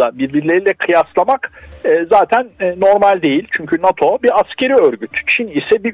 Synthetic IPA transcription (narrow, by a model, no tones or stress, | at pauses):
abiɾbiɾlʲe̞ɾilʲɛkʰɯjaslˠamakɯːzaːt̪ʰænːno̞ɾmalʲd̪e̞jilʲt͡ʃʰyɲcʰynat̪ʰo̞biɾascʰe̞ɾiøɾɟyt̪t͡ʃʰinisɛbi